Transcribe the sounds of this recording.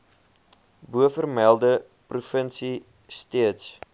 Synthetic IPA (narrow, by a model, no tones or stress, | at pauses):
buəfərmælˠdə | prufənsi | stiəts